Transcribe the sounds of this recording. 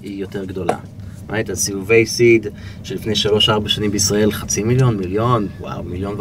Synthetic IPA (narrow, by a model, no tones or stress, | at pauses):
ijo̞te̞ʁɡdo̞la̰ | mʔa̰it̪asijuve̞jsid̪ʃelifne̞jʃalo̞ʃaʁbaʃanimbeisʁae̞lχat͡similjo̞nmiljo̞nwa̰wmiljo̞nv